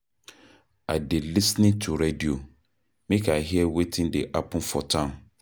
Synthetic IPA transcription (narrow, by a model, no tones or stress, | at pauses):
adɪlisnɪ̃ŋtʰuɾedio | mĩkʰaɦiɛwetʰɪ̃ndeʔapʰʊ̃nfɔtʰãm